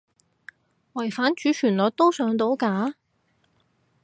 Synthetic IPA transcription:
wɐ˨˩jfaː˨˥nt͡ʃyː˨˧˥t͡ʃʰyː˨˩nlɔː˨˧t̚t̪o˥wsœː˨˧˥ŋt̪o˨˥wkaː˨˧˥

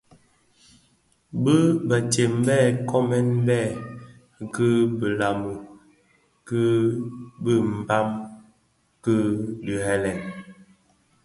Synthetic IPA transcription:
bə˦bə˨te˨m˦bɛ˦˨kɔ˦mɛ˦nlɛ˦˨ | kə˦bə˨la˨mə˨ | kə˦ | bə˦m̩˨ba˦m | kə˦di˨ɦɛ˦lɛ˨n

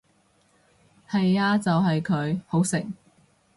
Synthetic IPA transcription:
hɐ˨jaː˧t͡sɐ˨wɦɐ˨jkʰɵ˨˧ɥho˨˥wsɪ˨˩ŋ

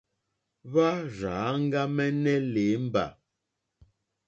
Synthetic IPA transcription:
βa˦ɾaː˨˦ŋ̩˦ɡa˦mɛ˦nɛ˦le˨˦m̩˦ba̰˨

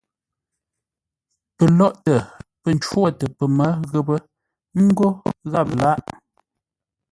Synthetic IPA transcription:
pə˨lɔ˦ʔtə˨pə˨n̩˨t͡ʃwo˦˨tə˨pə˨mə˨˦ɣə˦bə˦ | ŋ̩˦ɡo˦ɣa˦˨p̚la˦ʔ

